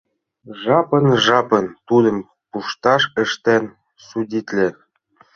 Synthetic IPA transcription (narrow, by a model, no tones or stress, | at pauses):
ʒɑpɤ̆nʒɑpɤ̆nt̪ud̪ɤ̆m | puʃt̪ɑʃɘ̆ʃt̪æn | sudʲit̪ʲlʲɘ̆